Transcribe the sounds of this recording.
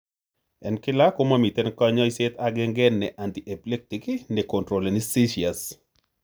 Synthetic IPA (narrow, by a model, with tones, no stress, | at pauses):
ɛ̰˨nkɪ˦la˦ko˦mami˨t̪e˦nka˦ɲɔ˦ɪset̪aɡɪ˦ŋɡɛ˦nːɛ˨ʔa˨nt̪iʔe˨ple˦k̚tikine˨kɔ˨ntɾo˨le˨nɪ˦si˦ʃia˨s